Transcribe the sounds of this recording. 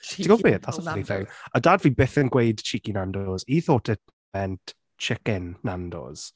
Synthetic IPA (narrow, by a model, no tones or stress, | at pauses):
iɡɔbeːdðasəvalˠiθɪwədaːdviːbɪθənɡwejd̥t͡ʃʰikinandɔziθoːtʰɪt̚ | mɛnt | t͡ʃʰɪkɪnːandɔ̰z̥